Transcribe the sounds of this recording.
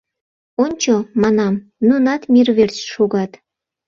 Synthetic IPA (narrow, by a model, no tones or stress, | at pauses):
onʲt͡ɕomɑnɑmnunɑt̪mʲirβert͡ɕʃuɡɑt̪